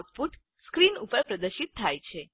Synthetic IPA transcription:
t̪̚fuʈ | skɾinupəɾpɾəd̪əɾʃit̪ʰːajt͡ʃʰe

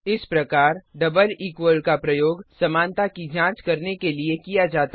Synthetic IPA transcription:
ɪspɾɐkaːɾɖɐbəliːkwəlkapɾɐjoːɡsɐmãːnt̪akid͡ʒãːt͡ʃkɐɾnekeliekijad͡ʒaːt̪a

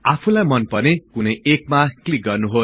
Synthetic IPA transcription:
apʰulajmʌnpʌnekunʌjek̚maklik̚ɡʌrnuɦo

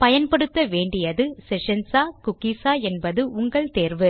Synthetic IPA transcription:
pɐjɐnpɐɽɯt̪ːɐʋeːɳɖɪjɐðɯsɛʂɐnsaːkʊkːiːsaːɛnbɐðɯʊŋɡɐɭt̪eːɾʋɯ

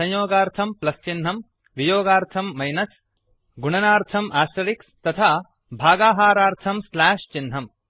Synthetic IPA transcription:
sɐ̃ɲjoːɡaːɾt̪ʰɐmplɐst͡ʃinɦɐm | ʋijoːɡaːɾt̪ʰɐmːɐjnɐs | ɡuɳɐnaːɾt̪ʰɐmʔaːsɐɽikst̪ɐt̪ʰaː | bʱaːɡaːɦaːɾaːɾt̪ʰɐmslaːʂt͡ʃinɦɐm

